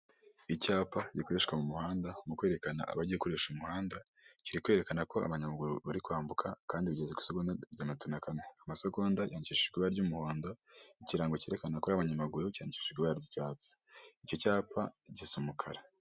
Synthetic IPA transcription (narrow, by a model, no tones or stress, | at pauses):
icaːpaikoɾe̞ʃkwamumuhaːndamukwe̞ːɾe̞kana̰a̰βaɟiekoɾeʃumuhaːnda | ciɾikwe̞ːɾekanako̞a̰βaɲamaɡuɾuβaɾikwaːmbukʰakaːndiβɟezekwi̥soɡundaɟamitunakaneamasoɡoːndajʔaːniciʃiʒɡiβaɾɟumuho̞ːndo̞iciɾaːŋɡoceːɾe̞kanakoɾaβaɲamaɡuɾucaːndici̥ʃiɡwiβaaɾɟicaːt͡si̥ico̞caːpʰaɟisumukʰaɾa